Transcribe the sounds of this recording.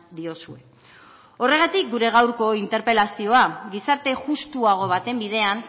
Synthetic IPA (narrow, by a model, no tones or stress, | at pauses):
d̪io̞sue̞ | o̞re̞ɣ̞at̪ik̚ɡuɾe̞ɣ̞awɾko̞int̪e̞ɾpe̞lasio̞aɡisaɾt̪e̞ʝust̪uaɣ̞o̞β̞at̪e̞mbiðe̞an